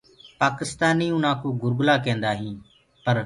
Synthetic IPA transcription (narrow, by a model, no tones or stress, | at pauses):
paːkɪst̪aːniːũːnãːkuːɡʊɾɡʊlaːkẽːnd̪aːɦĩː | pəɾ